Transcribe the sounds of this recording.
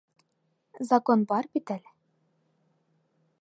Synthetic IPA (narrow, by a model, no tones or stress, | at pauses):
zɐkonbɑɾbit̪æl